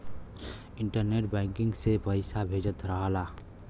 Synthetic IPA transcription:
ɪɳʈəɾneʈ̚bɛ̃ŋkɪ̃ŋɡsepəɪsabʱed͡ʒət̪ɾəɦəla

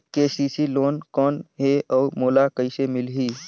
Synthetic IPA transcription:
keːsiːsiloːnkɔːnɦeɔːɾmoːlakəisemɪlɦiː

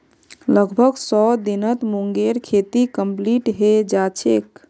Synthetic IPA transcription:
ləɡbʱəɡsɔd̪inət̪muŋɡeɾkʰet̪ikəmpliʈɦed͡ʒat͡ʃʰek

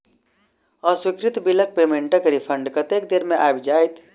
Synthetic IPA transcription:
əswikɾit̪bilək̚pemeɳʈəkɾipʰəɳɖkət̪ek̚d̪eɾmeʔa̰jbd͡ʒajt̪

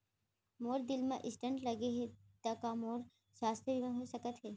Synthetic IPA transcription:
moːɾd̪ɪlmẽʔɪsʈə̃ɳʈlɐɡeɦet̪əkamoːɾ | ʃaːst̪ɾəbimẽnɦosəkət̪ɦeː

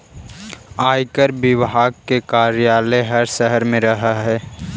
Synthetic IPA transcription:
aːjkəɾbɪʋɦaːɡ̚kekaːɾjaːleɦɐɾsəɦəɾmẽɾɐɦaɦɛː

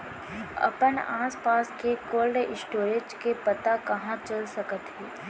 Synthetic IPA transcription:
ɐ̰pənaːspaːskekoːlɖɪsʈoːɾeːd͡ʒkepɐt̪akɐɦãt͡ʃɐlsɐkət̪ɦiː

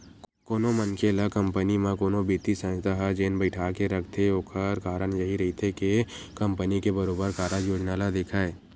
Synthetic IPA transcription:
koːnomənkelakɐ̃mpənimãkoːnobiːt̪isə̃d͡ʒt̪aɦɛd͡ʒeːnbəɪʈʰaːkeɾɐkʰt̪ʰeoːkʰəɾkaːɾəñjɐɦiɾɐɦit̪ʰeke | kɐ̃mpənikebɐɾoːbəɾkaːɾad͡ʒjoːd͡ʒnaːlad̪eːkʰaːeː

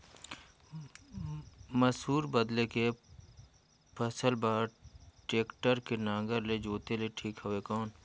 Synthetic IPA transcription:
məsɦuːɾbəd̪leke | pʰəsəlbaːɾʈeːkʈəɾkenãːɡəɾled͡ʒoːt̪eleʈʰiːkɦoʋekɔːn

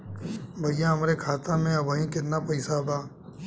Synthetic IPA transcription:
bʱɐjjãɦɐmɾekʰaːt̪ãmẽɐbəɦĩkɪt̪napɐɪsabaː

